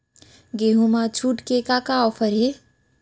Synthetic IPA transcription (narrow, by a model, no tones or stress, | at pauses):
ɡeɦumat͡ʃʰuʈkekakaɔpʰəɾe